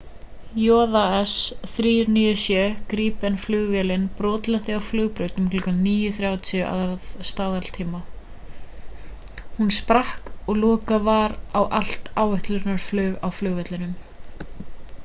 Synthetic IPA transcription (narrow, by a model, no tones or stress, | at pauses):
jɔːðaɛsθɾiːɾniʏsjɛkɾiːpɛnflʏːɣvɛːlɪnpɾɔːt̪lɛnt̪ɪawflʏːɣpɾœːɥt̪nʏmkʰlɔkanniːjʏθɾjaːwt̪ʰɪʔa̰ðaðst̪aːðalt̪ʰiːma | hunspɾahkɔɣlɔːkavaːɾawʔal̥t̪aːwɛht̪lʏɾnaɾ̥flʏːɣawflʏːɣvɛt̪lɪnʏm